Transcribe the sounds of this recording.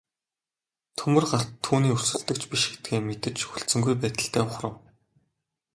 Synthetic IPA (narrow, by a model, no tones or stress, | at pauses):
t̪ʰɵmɵ̆rɢaːuːniːursɵ̆ɮt̪ɵ̆kt͡ɕpiʃxe̥t̪̚ɡeːmet̪ɘ̆t͡ɕxuɮt͡sɘ̆ŋɡujpæːt̪ə̆ɬt̪ʰæːʊχrə̆w